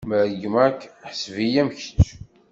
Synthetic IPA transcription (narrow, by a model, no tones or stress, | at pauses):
məɾɡəmækːħəsvijæmçə̥t͡sː